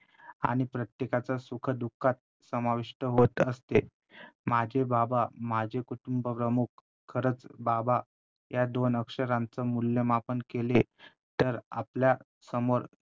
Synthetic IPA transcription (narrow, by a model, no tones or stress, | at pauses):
a̰ɽ̃ipɾət̪jekat͡sasukʰəd̪ukʰːat̪̚ | səmaʋiʂʈəɦot̪əst̪e | mad͡ʑʱebabamad͡ʑʱekuʈumbəpɾəmuk | kʰːəɾət͡sbaba | jad̪onəkʂəɾãnt͡səmulːjəmapənkele | t̪əɾa̰plja | səmoɾ